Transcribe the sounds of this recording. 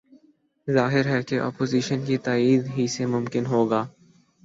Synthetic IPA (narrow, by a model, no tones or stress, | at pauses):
zaːɦɪɾɦɛkeʔɔ̰ːpoːziːʃənkit̪aːiːd̪ɦisemʊmkɪnɦoːɡaː